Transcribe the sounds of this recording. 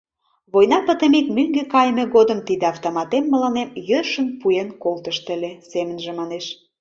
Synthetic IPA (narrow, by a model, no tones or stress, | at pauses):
βojnɑpə̆t̪ə̆mikmyŋɡekɑjmĕɣod̪əmt̪id̪eɑft̪omɑt̪emːəlɑnemjøʃənpujenkolt̪əʃt̪ə̆lesemənʒĕmɑneʃ